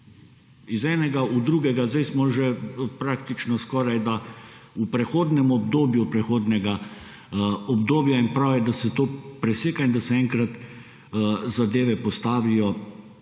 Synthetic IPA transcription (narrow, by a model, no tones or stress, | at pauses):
izɛːnɛɡaud̪ɾuːɡɛɡazd̪ajsmɔʒɛpɾaːk̚t̪it͡ʃnɔskɔːɾajd̪aupɾɛxoːd̪nɛmɔbd̪oːbjupɾɛxoːd̪nɛɡa | ɔbd̪oːbjainpɾawjɛd̪asɛt̪oːpɾɛseːkaind̪asɛɛŋkɾat̪ | zad̪eːʋɛpɔst̪aːʋijɔ